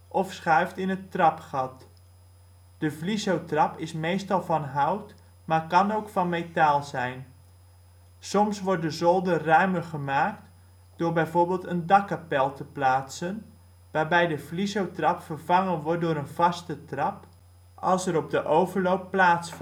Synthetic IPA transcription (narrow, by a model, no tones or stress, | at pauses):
ʔɔfsχœɥftɪnətrɑpχɑt | d̥əvlizowtrɑpɪsmejstɑlˠvɑnɦɑwt | maːɹkɑnowkfɑnmetaːlˠzɛjn | sɔmsʋɔɹt̚dəzɔlˠdərœɥməχəmaːk̚t | d̥ʊːɹbɛjvoːɹbeːlˠtəndɑkapɛlˠtəplaːtsən | ʋaːɹbɛjdəvlizowtrɑpfərvɑŋənʋɔt̚dʊːɾənvɑstətrɑp | ɑlˠsəɾɔb̚dəʔowvərlowpːlaːtsf